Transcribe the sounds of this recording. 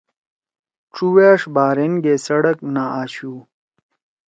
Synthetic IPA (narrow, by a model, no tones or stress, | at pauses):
ʈ͡ʂuweːʂbaːɾenɡesɐɽɐknaaːɕuː